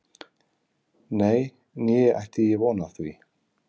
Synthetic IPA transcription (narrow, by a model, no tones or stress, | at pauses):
neːj | njɛa̰jht̪ɪjɛvɔːnaθvi